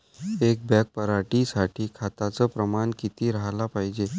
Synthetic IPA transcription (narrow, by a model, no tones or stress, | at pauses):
ek̚bɛk̚pəɾaʈisaʈʰiːkʰat̪at͡səpɾəmankit̪iːɾaɦlapaɦid͡ʑe